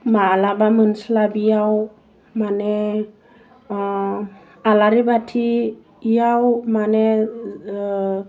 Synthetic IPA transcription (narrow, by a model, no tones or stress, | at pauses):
malabamɯnslabijaw | manɛ | alaɾibatʰiː | jawmanɛ